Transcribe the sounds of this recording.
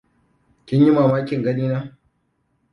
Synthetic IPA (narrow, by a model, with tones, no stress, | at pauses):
kʲɪ˦ɲji˦maː˨maː˦kʲɪ˨ŋɡɐ˦niː˦naː˦